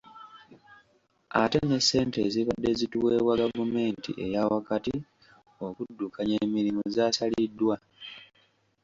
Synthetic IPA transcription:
a̰te̞ne̞sːe̞ːnteziβadːe̞zituwe̞ːβwaɡavume̞ːntḭʔe̞jawakati | o̞kudːukʰaɲeːmːiɾimuzaːsalidːwa

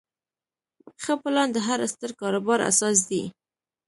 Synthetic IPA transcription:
xəpəlɑnd̪əɦaɾast̪əɾkɑɾʊbɑɾa̰sɑs̬d̪i

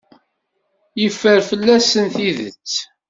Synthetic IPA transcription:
jəfːəɾfəlːæsənθiðə̰t͡sː

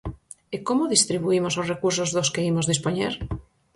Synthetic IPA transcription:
ekomoðist̪ɾiβ̞uimososrekuɾsozðoskeimozðispoɲḛɾ

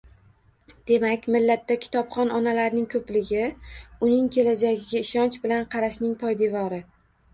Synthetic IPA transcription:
d̪̥e̞makʲmɪlːat̪ːakʲʰɪ̥t̪ʰɒpχɒnɒnalaɾnɪŋkʰɵplɪɡʲɪʊnɪŋkʲʰe̞lad͡ʒaɡʲɪɡʲaɪʃɒnt͡ʃbɪlanqʰɑɾaʃnɪŋpʰɒjd̪evɒɾɪ

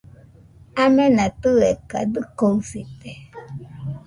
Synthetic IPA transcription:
amɛ̃nãt̪ɨɛka̰d̪ɨkoŋsit̪ɛ

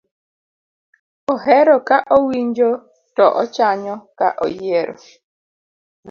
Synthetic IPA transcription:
oɦɛɾɔkaʔowiɲd͡ʒo | tɔʔɔt͡ʃaɲɔka̰ʔojieɾɔ̰

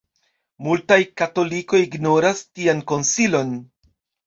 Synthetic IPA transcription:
multajkato̞likojiɡno̞ɾastianko̞nsilo̞n

